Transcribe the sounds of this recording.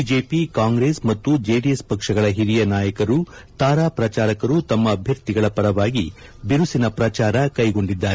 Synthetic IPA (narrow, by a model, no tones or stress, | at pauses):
iːd͡ʒeːpikaːŋɡɾeːsmɐt̪ːud͡ʒe̞ːɖiespɐkʂɐɡɐɭɐɦiɾijɐnaːjɐkɐɾu | t̪aːɾaːpɾɐt͡ʃaːɾɐkɐɾut̪ɐmːɐːbʱjɐɾt̪iɡɐɭɐpɐɾɐʋaːɡi | biɾusinɐpɾɐt͡ʃaːɾɐkɐjɡo̞ɳɖid̪ːaːɾe